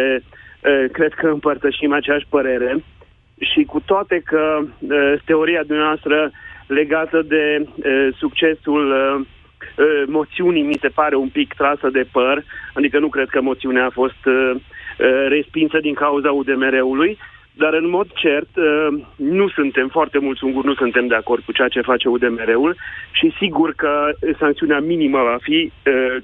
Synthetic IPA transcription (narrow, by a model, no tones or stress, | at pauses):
eəkɾe̞d̪̥kəɨmpərt̪əʃimat͡ʃeaʃʲpəɾe̞ɾe̞ | ʃikut̪oat̪e̞kəət̪e̞o̞ɾiad̪umneaoast̪ɾəle̞ɡat̪əd̪e̞əsuk̚t͡ʃe̞sul | əmo̞t̪siunijmise̞paɾe̞umpikt̪ɾasəd̪e̞pərad̪ikənukɾe̞d̪̚kəmot̪siuneaːfo̞st̪ | ɾe̞spinsəd̪iŋkauzaud̪e̞me̞ɾe̞uluj | d̪aɾɨnmo̞d̪t͡ʃe̞rt̪ənusunt̪e̞mfoart̪e̞mult̪suŋɡurnusunt̪e̞md̪e̞ako̞rd̪̚kut͡ʃeat͡ʃe̞fat͡ʃe̞ud̪e̞me̞ɾe̞ulʃisiɡurkəsaŋkt̪siuneaminiməvafiə